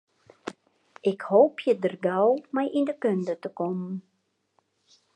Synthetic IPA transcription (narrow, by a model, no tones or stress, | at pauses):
ʔɪkhoːpʰjədərɡawmɛjʔindəkøndətəkɔmn